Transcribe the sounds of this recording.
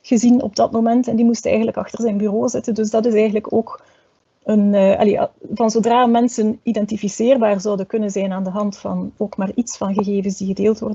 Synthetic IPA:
ɣ̥əzinɔ̰b̚dɑtmomɛntɛndimustɛ̰jɣəndləkɑxtərzɛjnbyroːzɪtəndɵs̬dɑtɪs̬ɛjɣən̩ləkoːk | ənːʔɑ̰livɑnzoːdraːmɛnsənidɛntifiseːrbaːrzʌwdəkɵnənzɛjnaːndəɦɑntfɑ̰noːkmaːritsfɑnɣəɣeːvənsdiɣədeːlˠtʋɔ̰rdə

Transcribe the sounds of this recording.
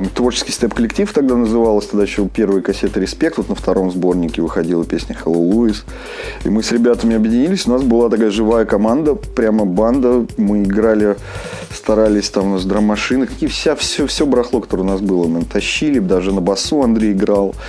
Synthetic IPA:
mt̪vo̞rt͡ɕɪ̥skʲɪjst̪ɛpkəlʲɪk̚tʲift̪ɐɡ̚d̪anəzɨvalˠəsʲt̪ɐɡd̪ajɪɕːopʲe̞rvəjəkɐsʲe̞t̪əɾʲɪspʲe̞k̚t̪vot̪nəft̪ɐɾʔo̞mzbo̞rnʲɪkʲɪvɨxɐdʲilˠəpʲesʲnʲəxəlˠolˠuis | ḭmɨsɾʲɪbʲat̪əmʲɪɐbjɪdʲɪnʲilʲɪsʲʊnasbɨlˠat̪ɐkajəʐɨvajəkɐmand̪əpɾʲaməband̪əmɨɪɡɾalʲɪ | st̪ɐɾalʲɪsʲt̪amʊnasd̪ɾəmɐʂɨnɨkɐkʲijəfsʲafsʲofsʲobɾɐxlˠo̞kɐt̪o̞ɾəʊnasbɨlˠəmɨt̪ɐɕːilʲɪd̪aʐɨnəbɐsuɐnd̪ɾʲejɪɡɾalˠ

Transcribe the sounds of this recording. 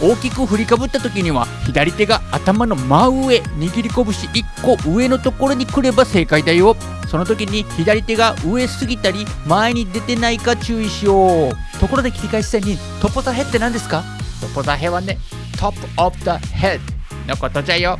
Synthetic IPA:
o̞ːkʲikɯ̟ɸɯ̟ɾʲikabɯ̟t̪ːat̪o̞kʲiɲ̟iβa̰çid̪aɾʲit̪e̞ɡaːt̪amano̞maɯ̟ɯe̞ɲiɡʲiɾʲiko̞bɯ̟ɕiʔikːo̞ʔɯ̟e̞no̞t̪o̞ko̞ɾo̞ɲ̟ikɯ̟ɾe̞base̞ːkaid̪ajo̞ | so̞no̞t̪o̞kʲiɲ̟içid̪aɾʲit̪e̞ɡaʔɯ̟e̞sɨɡʲit̪aɾʲi | maeɲ̟id̪e̞t̪e̞naikat͡ɕɨːiɕijo̞ːt̪o̞ko̞ɾo̞d̪e̞kʲiɾʲikaisi̥eɲ̟ːi | t̪o̞po̞zaɦe̞t̪ːe̞nãnd̪e̞sɨ̥ka | t̪o̞po̞zaɦeβane | t̪ʰop | op̚d̪ahed̪ | nokot̪ot͡ɕajo

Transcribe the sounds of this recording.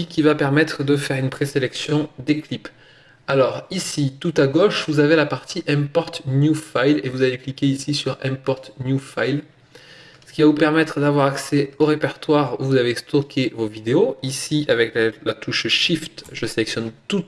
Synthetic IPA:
ikʲivapɛʁmɛt̪χəd̪əfɛʁynpχeselɛksjɔ̃d̪eklip | alɔʁisit̪ut̪aɡɔʃvuzavelapaʁt̪iʔɛ̃pɔʁt̪njufajlevuzaveklikʲeisisyʁɛ̃pɔʁt̪njufajl | sə̥kʲivavupɛʁmɛt̪χəd̪avwaʁaksɛoʁepɛʁt̪waʁuvuzavest̪ɔkʲʰevovid̪eoisiavɛkllat̪uʃʃift̪ʒəselɛksjɔnt̪ut̪

